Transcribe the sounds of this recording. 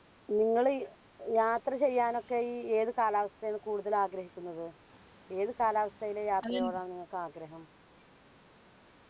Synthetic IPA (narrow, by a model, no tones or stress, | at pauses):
niŋːɐɭ | jaːt̪rɐt͡ɕe̞jːaːno̞kːeeːðɨkaːlaːʋɐst̪ʰɐjinɨkuːɽuðɐlaːɡɾɐɦikʲːunːɐðɨ | e̞ːðɨkaːlaːʋɐst̪ʰɐjilejaːt̪rɐjoːɭaːɳniŋːɐɭkːɨaːɡɾɐɦɐm